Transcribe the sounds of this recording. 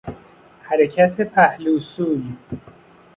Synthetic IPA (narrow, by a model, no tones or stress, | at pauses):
hæɾecʰæt̪ʰepʰæhluːsuːj